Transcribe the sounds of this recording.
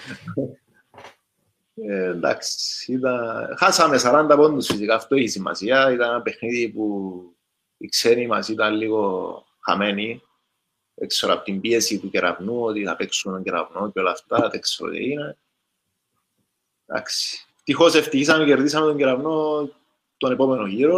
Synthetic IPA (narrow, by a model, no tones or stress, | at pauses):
end̪a̰ksi̥it̪ɐxasɐme̞sɐɾɐnd̪ɐpond̪usfisikaːft̪oeçisimːɐ̰siɐit̪ɐneɐpe̞xniðipu | iksenimɐ̰sit̪ɐnliɣo̞ | xa̰me̞ni | ekseɾo̰po̥t̪imbie̞sit̪uceɾa̰vnuot̪iθɐpeksumet̪oɲɟeɾa̰vno̞ceo̞lɐ̰ft̪ɐt̪ekseɾo̰t̪ḛine̞ | nd̪a̰ksi̥eft̪ixo̞seft̪içisɐmeceɾðisɐmet̪oɲɟeɾɐvno̞ | t̪onepo̞me̞noʝiɾo